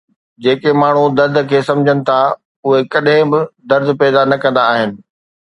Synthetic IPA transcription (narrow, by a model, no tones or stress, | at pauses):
d͡ʑeːkemaːɳ̤ud̪ɐɾd̪̆ʱkʰeːsɐ̃md͡ʑʱənɪ̆t̪ʰa | ʊɦekɐɗɦɪ̃bɪd̪ɐɾd̪ʱpɛːd̪anɐkɐ̃nd̪aːɦɪnɪ̆